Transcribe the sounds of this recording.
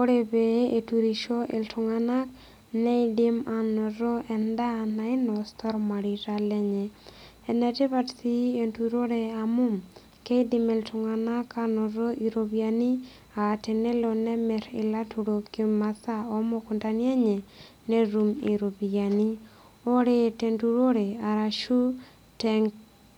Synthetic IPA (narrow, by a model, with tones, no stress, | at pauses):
o˦ɾe˨bee˨tuɾi˨ʃo˦ʔɪ̰˨ltʰʊŋana˦k | nɛ˦idi˦ma˨nɔ˨ɾɔ˦ʔɛ˨nda˦na˨ɪnɔst̪ɔ˦ɾma˨ɾiɾalɛ˦ɲɛ˨ | ɛ˨nɛte˦batsi˦entuɾo˦ɾeamʊ˦m | ke˦idimɛ˨ltʊŋa˨na˦kanɔ˨ɾo˦ʔi˨ɾobiani˦ | aː˨te˨nɛ˦lɔnɛ˦mɛ˨ɾɪ̰˨la˦tu˨ɾo˨kjo˦masa˦ɔ˦mo˦ku˨nda˨ni˦e˦ɲɛ˨ | ne˦ɾu˨mḭ˨ɾo˨bi˨a˨ni˦ | o˦ɾete˨ntuɾo˦ɾe˨a˨ɾa˨ʃu˦ | tɛ˦ŋɡ